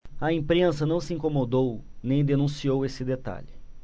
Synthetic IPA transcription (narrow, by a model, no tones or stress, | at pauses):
ɐĩpɾẽsɐnɐ̃w̃sɪĩkomod̪ownẽj̃d̪enũsiowesɪd̪et̪a̰ʎɪ